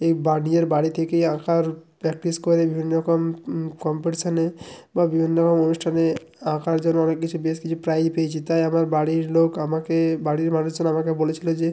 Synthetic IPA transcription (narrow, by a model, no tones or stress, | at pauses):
ebaɽieɾbaɽit̪ʰekejãkaɾpɾɛk̚ʈiskoɾebibʱinːɔɾɔkomkɔmpeʈisanebabibʱinːɔɾɔkomonuʃʈʰane | ãkaɾd͡ʑonːoɔnekːit͡ɕʰubeskit͡ɕʰupɾajpejet͡ɕʰit̪ajamaɾbaɽiɾlokamakebaɽiɾmanuʃd͡ʒonːamakebolet͡ɕʰilod͡ʑe